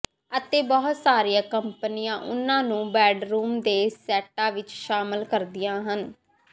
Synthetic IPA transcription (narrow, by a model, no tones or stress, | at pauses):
ət̪eːbɔɦʊt̪saːɾijãːkəmpənɪjãːʔʊnːãːnũːbɛːɖɾuːmd̪eːsɛːʈãːʋɪt͡ʃʃaːməlkəɾd̪ɪjãːɦən